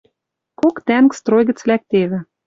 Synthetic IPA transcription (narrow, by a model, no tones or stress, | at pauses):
kokt̪ænkst̪rojɣə̆t͡slæk̚t̪eβɘ̆